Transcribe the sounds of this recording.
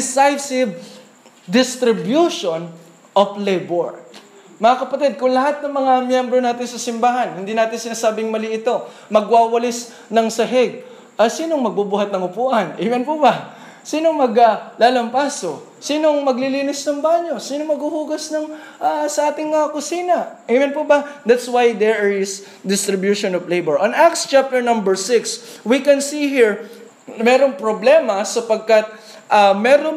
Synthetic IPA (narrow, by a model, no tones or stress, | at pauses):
sajfsɪb̚ | d̪ɪst̪ɾɪbjuʃon | ʔoflɛjboɹ | mɐŋakɐpɐt̪ɛd̪̚kʊŋlɐɦat̪̚nɐŋmɐŋamjɛmbɾo̞naːt̪ɪnsɐsɪmbaːɦɐnhɪnd̪iːnaːt̪ɪnsɪnaːsaːbɪŋmɐliʔɪt̪o̞ | mɐɡ̚waːwɐlɪs | nɐŋsɐɦɛɡ̚ | ʔɐsiːnoŋmɐɡ̚bubuːhɐt̪̚nɐŋʊpuːʔɐnʔɪwɐnpubɐ | siːnoŋmɐɡɐlaːlɐmpaːso̞ | siːnoŋmɐɡlɪliːnɪsnɐŋbaːɲo̞siːnoŋmɐɡhuhuːɡɐsnɐŋ | ʔasɐʔaːt̪ɪŋɐkʊsiːnɐʔɛjmɐnpubɐd̪at̪swajd̪ɛɹɪs | d̪ɪst̪ɾɪbjuʃonɔvlejbɛɹʔɐnakst͡ʃap̚t̪ɛɹnɐ̃mbɛɹsɪkswikɛnsiɦiɹ | mɛːɾoŋpɾoblɛmɐsɐpɐɡ̚kɐt̪̚ | ʔɐmɛɾo